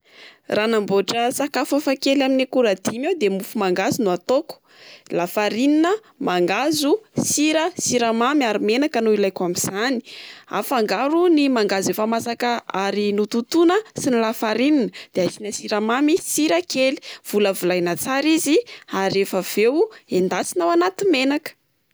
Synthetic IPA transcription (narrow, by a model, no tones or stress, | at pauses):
ranamboʈ͡ʂəsakafəfakelaminikuɾad̪imewd̪emufumaŋɡazunuat̪oku̥ | lafaɾininə | maŋɡazusiɾəsiɾamamiaɾumenakənuilajkamiz̥ani̥a̰faŋɡaɾunimaŋɡazefamasakəaɾinut̪ut̪unəsinilafaɾininəd̪̥eazinəsiɾamamisiɾəkeli̥v̥uləvulajnat͡saɾiziaɾefəv̥ewend̪at͡sinawanat̪imenakə̥